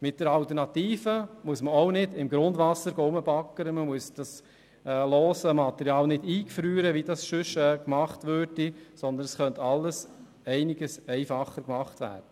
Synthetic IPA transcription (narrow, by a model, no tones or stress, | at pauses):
mɪt̚d̥əɾɑltəɾnɑtiːfəmuəsməɔʊnɪdɪmɡɾʊndʋɑsəɾɡoːʊməbɑkːəɾəməmuəsd̥ɑs | ɛlɔːsəmɑt̪ɛɾjɑːlnɪdiːkfɾyːɾəʋidɑsʃʏʃɛːkmɑχtʋøːɾdisɔnd̪ənɛsχœnt̪ɑlːəs | ɛɪnɪɡəsɛɪfɑχːəɾkmɑχtʋæ̰ːɾdə